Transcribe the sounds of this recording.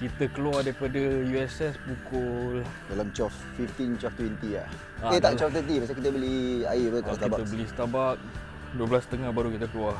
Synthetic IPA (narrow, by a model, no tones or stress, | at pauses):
kit̪əkəluadaipadəjuɛsɛspukʊldalamt͡ʃɔfːift̪int͡ʃɔft̪wɛnt̪ia̰ | akeaʔt͡ʃɔft̪ənt̪ipas̬akit̪əbəlia̰ipak̪aibaəbəlisə̥t̪abat̪̚ | duəbəlast̪əŋahbaɾukit̪əkəlua